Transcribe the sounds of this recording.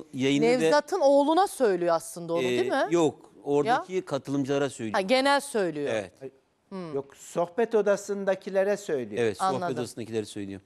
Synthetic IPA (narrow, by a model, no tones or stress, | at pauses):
jajɯnɛvɛzat̪ʰɯno̞ːlˠunasø̞jlʲijoaslˠɯnd̪aonud̪mɪjoko̞ɾdacʰikʰat̪ʰɯlˠɯmd͡ʒɯlˠaɾasøjlʲɟe̞nælʲsø̞jlʲijoevɛt̪ | joksoxbɛt̪od̪asɯnd̪acʰilʲeɾɛsø̞jlʲijevɛt̪sanolˠaɛt̪oasɯnd̪acʰilʲeɾɛsøjlʲijo